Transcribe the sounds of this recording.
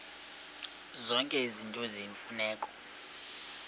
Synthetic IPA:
zɔŋkʼɛizintʼoziːɱfunɛːkʼɔ̥

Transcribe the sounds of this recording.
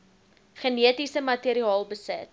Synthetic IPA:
χəniətisəmɐtiɾiɑːlˠbəsət̚

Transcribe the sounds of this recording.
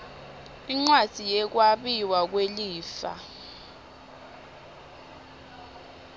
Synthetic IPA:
iŋ͡ǀwḁz̥ʱijɛk̬waɓiwak̬weliːfa̰

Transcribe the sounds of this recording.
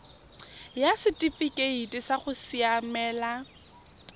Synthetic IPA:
jasɪtʼifikʼeitʼisaχʊsiamɛːla

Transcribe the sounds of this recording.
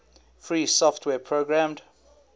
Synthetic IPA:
fɹiːsɔftʰwɛːpʰɹoɡɹãmd

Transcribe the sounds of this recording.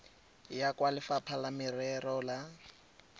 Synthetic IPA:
jakʼwalɪfapʰalamɪrɛrɔla

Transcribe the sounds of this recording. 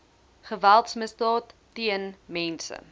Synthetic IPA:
χəvælˠtsməsdɑːtː | iənmɛnsə̰

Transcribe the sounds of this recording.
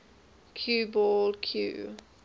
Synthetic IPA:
kʰjuːbɔlkʰjṵː

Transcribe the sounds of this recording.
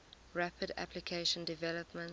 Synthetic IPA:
ɹæpʰədæ̰pʰlikʰeɪʃə̃ndɪvɛləpmə̃n

